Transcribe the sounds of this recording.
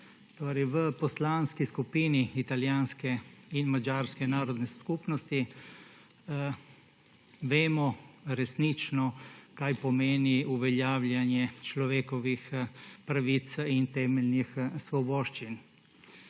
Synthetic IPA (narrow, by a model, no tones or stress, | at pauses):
t̪oːɾɛjʋəpɔslaːnskiskupiːniit̪aljaːnskɛinmad͡ʒaːɾskɛnaːɾɔd̪nɛskupnɔst̪i | ʋeːmɔɾɛsnit͡ʃnɔkajpɔmeːniuʋɛljaːwljanjɛt͡ʃlɔʋeːkɔʋixpɾaʋit̪sint̪ɛːmɛlnixsʋɔbɔːʃt͡ʃin